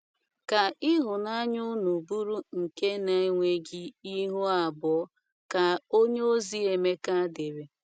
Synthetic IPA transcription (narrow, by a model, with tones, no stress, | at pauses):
ka˨i˦ɦʊ˨na˦ɲʊ˦nu˨bu˦ɾu˦ŋ̩˨ke˦na˨e˦ŋʷe˦ɡi˦i˦ɦʊ˦a˨bɔ˨˦ | ka˨o˦ɲe˦o˦zi˦e˨me˦ka˦de˨be˨